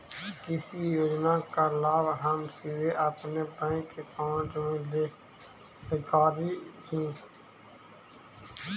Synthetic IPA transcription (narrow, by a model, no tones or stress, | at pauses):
kɪsijoːd͡ʒnaːkalaːbɦəmsiːd̪eʔəpnebə̃ːkekãːnd͡ʒoẽle | sekaːɾiːɦĩː